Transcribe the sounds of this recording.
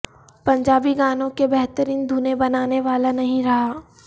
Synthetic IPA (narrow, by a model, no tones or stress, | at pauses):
pɐ̃ɲd͡ʒaːbiɡaːnõkebɛɦt̪əɾiːnd̪ʱuːnebɐnaːneʋaːlanɐɦĩɾɐɦaː